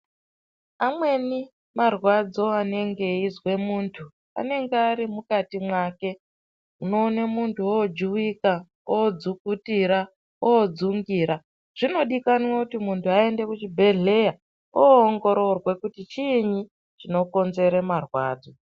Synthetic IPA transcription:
amwe̞ni | marwad͡zo̞ane̞ŋɡe̞izwe̞muːntʰu | a̰ne̞ŋɡeaɾimukatimwaːke̞ | uno̞ːnemuntʰuod͡ʒuwika | oːd͡zukutiɾa | oːd͡zuŋɡiːɾa | ʐ̥ino̞ɗikanwakutimuntʰuae̞nde̞kut͡ʃibʱe̞ɮe̞ja | oːŋɡo̞ɾo̞rwe̞kutit͡ʃiɲi | t͡ʃino̞ko̞nze̞ɾemarwa̰ːd͡zo̞

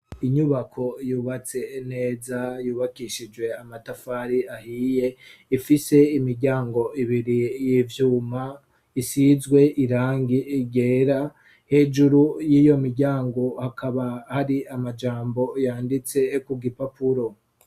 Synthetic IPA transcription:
iɲuβakʰo̞juːβat͡se̞ne̞ːzajuːβakiʃid͡ʒwe̞amatafaːɾiahiːje̞ifise̞imiɾɟaːŋɡo̞ʔiβiɾijivjuːma | isizɡwe̞ʔiɾaːŋɡiɟe̞ːɾa | he̞ːd͡ʒuɾujiːjo̞miɾɟaːŋɡo̞hakʰaβahaɾiamad͡ʒaːmbo̞jaːndit͡se̞kuɡipapuɾo̞

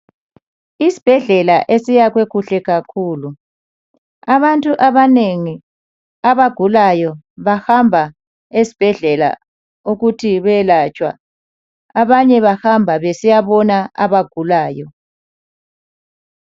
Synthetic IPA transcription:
isi̥b̥ʱɛɮɛlaʔesijaɣweɣuɬɛɣakʰuːlu | aβantʼuʔaβaneŋi | aβaɡ̥ʱulajɔ | βahambʱa | esi̥b̥ʱɛɮɛla̰ | uɣutʰiβɛlat͡ʃʼwa̰ː | βaɲɛβahambʱaβesijaβɔnaa̰βaɡ̥ʱulaːjɔ

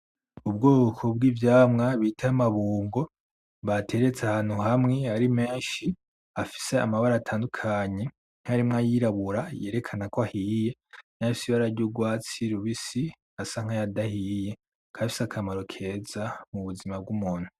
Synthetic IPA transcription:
ub̚ɡoːkʰo̞b̚ɡiːvjaːmŋaβitʰaamaβuːŋɡo̞ | βatʰe̞ɾet͡sahaːn̥huɦamŋe̞aɾime̞ːnʃi | afi̥se̞a̰maβaɾaːtʰaːndukʰaɲe̞ | ŋ̥haɾimŋajiɾaβuɾaje̞ːɾe̞kʰanakoahiːje̞n̥afisiβaɾaɾɟoɡwaːt͡siɾuβisi | asaŋ̥ajadahije̞ | kʰafi̥sakʰamaɾo̞kʰe̞zamuβuzimab̚ɡumuːn̥hu

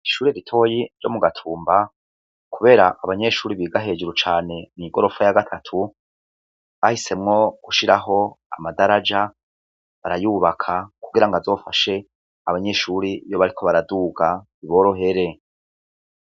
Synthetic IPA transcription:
iʃuːɾeɾitʰo̞ːjiɟo̞muɡatʰuːmba | kuβe̞ːɾaʔaβaɲe̞ʃuːɾiβiːɡaɦe̞ːd͡ʒuɾut͡ʃaːne̞niɡo̞ɾo̞fajaɡatʰatʰu | βahise̞mŋo̞kuʃiɾaɦo̞a̰madaɾad͡ʒa | βaɾajuːβakʰakuɡiɾaŋɡazo̞ːfaʃe̞ | aβaɲe̞ʃuːɾijo̞βaɾikʰo̞βaɾaduɡa | iβo̞ɾo̞ɦe̞ɾe̞

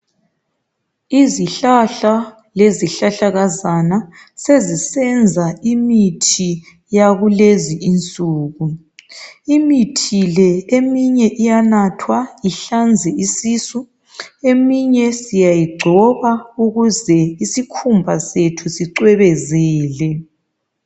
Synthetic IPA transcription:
iziɬaɬa | leziɬaɬaɣazana | sezisɛnd͡zʱaimitʰi | jaɣuleziint͡sʼuːɣu | imitʰilɛemiɲɛʔijanatʰwaiɬand͡zʱɛisiːsu | emiɲɛsijajiɡ͡ǀʱɔβauɣuzɛisikʰumbʱasetʰusiǀwɛβɛzɛːlɛ

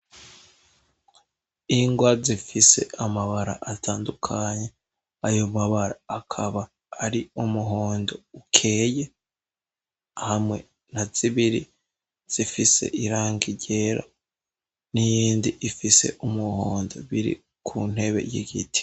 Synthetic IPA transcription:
iŋɡwazifise̞̰ʔamaβaɾa̰ʔatʰaːndukʰaɲe | ajo̞maβaɾaːkʰaβaː | ɾiumuɦo̞ːndo̞ukʰe̞ːje | hamŋe̞ | n̥az̥iβiɾḭ | z̥ifise̞̰ʔiɾaːŋɡiɟe̞ːɾa̰ | nijiːndiʔifise̞̰ʔumuhoːndo̞̰βiɾḭ | kʰuːn̥he̞βe̞̰jiɡitʰi̥

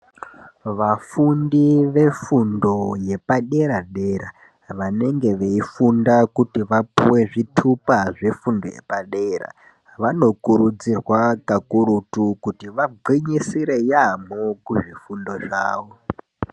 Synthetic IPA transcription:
ʋafundiʋe̞fundo̞je̞paɗe̞ɾaɗe̞ɾa | ʋane̞ŋɡe̞ʋeifundakutiʋapuwe̞ʐitʰupaʐe̞fundo̞̰jḛpaɗe̞ra̰ | ʋano̞kuɾud͡zirwakakuɾutukutiʋaɡʱiɲisiɾe̞jamokuʐifundo̞ʐa̰ːʋo

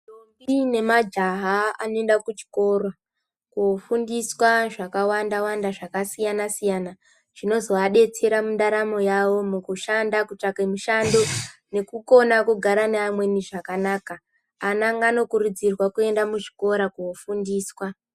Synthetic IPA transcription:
tombine̞mad͡ʒaɦaa̰noe̞ndakut͡ʃi̥ko̞rwa | kuofundiswaʐakawandawandaʐakasijanasijana | ʐ̥ino̞zo̞aɗe̞t͡se̞ɾamundaɾamo̞jawo̞mukuʃandakut͡ʂakemuʃandone̞kuko̞nakuɡʱaɾaneamwe̞niʐakanaːkaː | naŋɡano̞kuɾud͡zirwakue̞ndamuʐi̥ko̞ɾakuofundiːswa

